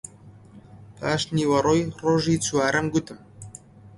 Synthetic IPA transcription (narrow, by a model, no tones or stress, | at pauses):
taːʃniwɐɾojroʒit͡sʰuaːɾəmɡʊt̪ʰɨm